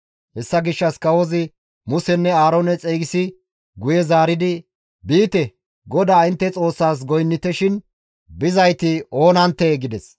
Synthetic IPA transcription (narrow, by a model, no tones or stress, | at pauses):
hɛsːɐɡɪʃːɐskɐwɔzɪ | mʊsɛnːɛaːɾoːnɛt͡sʼeːɡɪsɪ | ɡʊjɛzaːɾɪd̪ɪ | biːt̪ɛ | ɡɔd̪aːɪnt̪ːɛt͡sʼo̞ːsːaːs̬ɡɔjnːɪt̪ɛʃɪn | bɪzɐjt̪ɪo̞ːnɐnt̪ːɛɡɪd̪ɛs